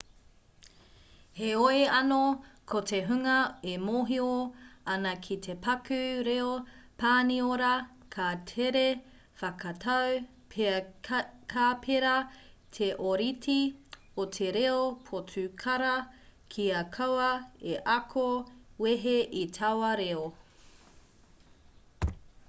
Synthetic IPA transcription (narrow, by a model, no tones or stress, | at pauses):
heoeɐnokʰotʰeɦʉŋɐemoɦioɐnɐkʰitʰepɐkʰʉɾeopaːnioɾɐ | kʰatʰeɾe | fɐkʰɐtʰɐw | pʰ | kʰaːpʰeɾɐ | tʰeʔoɾitʰi | otʰeɾeopʰotʰʉkʰɐɾɐkʰiɐkʰɐwɐeʔɐkʰoweɦeʔitʰɐwɐɾeo